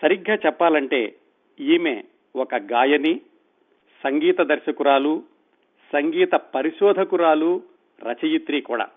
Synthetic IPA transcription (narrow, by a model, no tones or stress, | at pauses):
sɐɾiɡːaːt͡ʃɛpːaːlɐɳʈe̞ː | iːme̞ː | wɔkɐɡaːjɐni | sɐŋɡiːt̪ɐd̪ɐɾʃɐkuɾaːlu | sɐŋɡiːt̪ɐpɐɾiʃɔːd̪ʱɐkuɾaːlu | ɾɐt͡ʃɐjut̪ɾiːkuːɽa̰ː